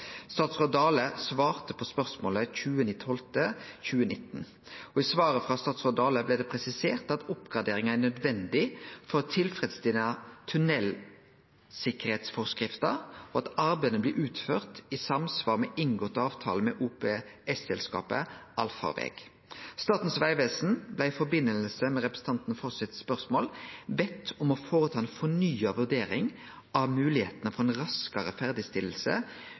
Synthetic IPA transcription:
st̪ɑːt̪sʁɔd̪ɑːləsʋɑːʁt̪əpʰɔspœʁsmoːləçʉːənɪt̪ʰːɔlt̪əçʉːənɪt̪ːn̩ | ɔisʋɑːʁəfʁɑst̪ɑːt̪sʁɔd̪ɑːləblɛːd̪ɛpʰʁɛsɪseːʁt̪ɑt̪ʊpɡɑd̪eːʁɪŋænœd̪ʋɛnd̪ɪfɔt̪ʰɪlfɾɛd̪sd̪ɪnɑt̪ʰʉnɛl | sɪkəʁheːt̪sfɔʁskʁɪft̪ɑoɑt̪ɑɾbæɪd̪ənəblɪʔʉːt̪føːʁt̪isɑmsʋɑːʁmɛʔɪŋɡoːt̪ɑːʋt̪ʰɑ̰ːləmɛʔuːpeɛsɛlskɑ̰ːpə̰ʔɑlfɑ̰ʋḛːɡ̥ | st̪ɑːt̪n̩sʋæɪʋeːsn̩blæɪɪfɔbɪnːəll̩səmɛʁɛpɾəsn̩t̪ɑnt̪n̩fɔʁsɪt̪spœʁsmoːlbɛt̪ʰːɔmɔfoːɾət̪ʰɑːɛnfɔnyːɑʋʉʁd̪eːɾɪŋ | ʔɑʋmʉːlɪheːt̪ənəfɔɾɛnʁɑskəʁəfæʁd̪ɪst̪ɪləl̩sə̰

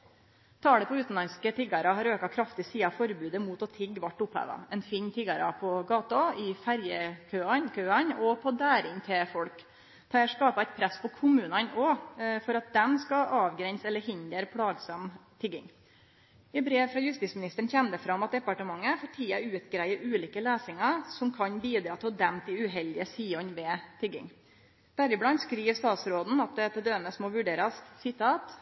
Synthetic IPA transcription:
t̪ʰɑːɽəpʰɔʉːt̪n̩lɑnskət̪ʰɪɡɑɾɑɦɑɾøːkɑkʰɾɑft̪ɪsiːɑfɔɾbʉːd̪əmuːt̪ɔt̪ʰɪɡːʋɑʈːʊphæ̰ʋɑ̰ɛnfiːnt̪ʰɪɡɑɾɑpʰɔɡɑːt̪ɑɪfæɾjəkʰøːɑkʰøːɑnɔpʰɔd̪æːɾɪŋt̪ʰɪfɔɽk | t̪ʰɑːʂkɑːpɑɛɪt̪̚pʰɾɛsːpʰɔkʰʊmʉːnɑnɔfɔɾɑt̪̚d̪ɛmskɑʔɑːʋɡɾɛnsɛlːəɾhɪnd̪əɾpʰɽɑːɡsɑmt̪ʰɪɡɪ̰ŋ | ɪbɾeːʋfɾɑjʉst̪iːsmɪnɪst̪əɳ̩çɛmd̪əfɾɑmːɑt̪̚d̪ɛpɑʈəmɑŋːəfɔʈʰiːɑʉːt̪ɡɾæɪəɾʉːliːkəleːsɪŋəɾsɔmkʰɑnbiːd̪ɾɑːt̪ʰɪlɔd̪ɛmt̪ʰɪʉɦɛld̪ɪəsiːɔnʋɛːt̪ʰɪɡɪ̰ŋ | d̪̥æɾɪblɑnt̪skɾiːʋst̪ɑːt̪sɾoːd̪n̩ɑt̪̚d̪ɛæt̪ʰɛd̪øːməsmɔʋʉɖeːɾəssɪt̪ʰɑːt̪

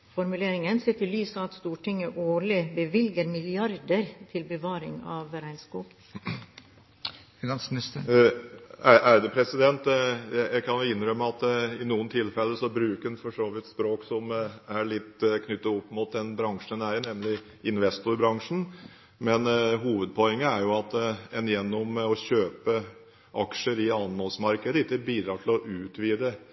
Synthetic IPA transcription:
fɔɾmʉleːɾɪŋənseːt̪ɪlyːsəɑt̪st̪uːʈʰɪŋːəʔoːɭɪbəʋɪlɡəɾmɪlɪɑɾd̪əɾt̪ʰɪlbəʋɑːɾɪ̰ŋɑ̰ʋɾæɪnskuːɡ | fɪnɑnsmnɪst̪ə | æʔæd̪ɛpʰɾɛsɪd̪ɛnt̪jæjækʰɑnjʊɪnɾœmːəɑt̪ɪnuːənt̪ʰɪlfɛlːəsɔbɾʉːkʉnfɔʂoːʋɪt̪spɾoːksɔmæɭɪt̪ːkʰnʏt̪ːɑɔpːmʊt̪̚d̪ɛnbɾɑŋʂənæɾnɛmlɪ | ɪnʋɛst̪ʊɾbɾɑŋʂn̩ | mɛnɦuːʋəd̪̚pʰɔɛŋːəæɾjʊɑt̪ɛnjɛnːɔmɔɕøːpə | ʔɑkʂəɾɪɑnhɔlsmɑɾkəd̪əɪt̪ːəbiːd̪ɾɑːʈʰɪlɔʔʉːt̪ʋiːd̪ə

